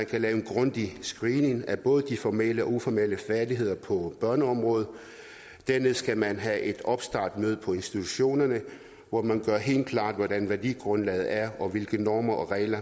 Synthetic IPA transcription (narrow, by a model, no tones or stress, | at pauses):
ænkʰælɛːʊenɡ̥ʁɔ̽nd̥isɡ̥ʁiːne̝ŋæb̥ɔ̽ːð̞̩ˠəd̥ifɒmeləɒ̽ufɒmeləfæɐd̥iɦe̝ð̞̰ˠɐpʰɒ̽b̥ɶɐnəɒ̽mʁɔ̽ːð̞̩ˠ | d̥æɐne̝ðˠsɡ̥æmænɦæʔe̝d̥ɒ̽b̥sd̥ɑ̈ːd̥møð̞̩ˠpʰɒ̽e̝nsd̥it͡sʰuɕo̝̰ːnɐnə | ʋɒmænɡ̥ɶɐɦe̝̰ːld̥̚kʰlɑ̰̈ːd̥ʋɒdænʋæɐd̥ḭːɡ̥ʁɔ̽nlɛ̰ːð̩ˠæɐɒ̽ʋe̝lɡ̥ənɒːmɐʔɒ̽ʁɛ̰ɪlɐ